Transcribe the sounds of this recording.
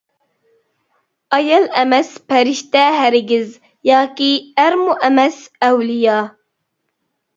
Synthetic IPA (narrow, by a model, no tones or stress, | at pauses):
ɑjɑlɛmɛspʰɛɾiʃt̪ɛɦæɾɡʲɪz | jɑːkʲiæɾmuʔæmɛsæwlijɑː